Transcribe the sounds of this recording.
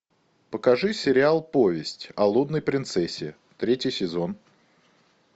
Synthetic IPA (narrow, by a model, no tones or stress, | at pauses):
pəkɐʐɨsʲɪɾʲɪalˠpovʲɪsʲtʲɐlˠud̪nəjpɾʲɪnt̪sɛsʲːɪ | t̪ɾʲetʲɪjsʲɪzo̞n